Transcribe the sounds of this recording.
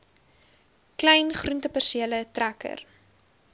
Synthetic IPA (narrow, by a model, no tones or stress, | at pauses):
klɛjnχruntəpərsiələtrækə̰r